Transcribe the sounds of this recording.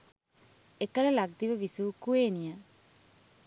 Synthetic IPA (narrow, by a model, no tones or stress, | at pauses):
ekələlaɡ̚d̪iʋəʋisuʋkueːnijə